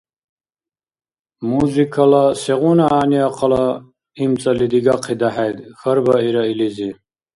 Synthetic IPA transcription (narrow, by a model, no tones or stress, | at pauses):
muzikʰɐlaseʁunaaːniaqʰɑla | imt͡sɐlid̪iɡaqʰid̪aɦajd̪xɐɾbɐiɾailizi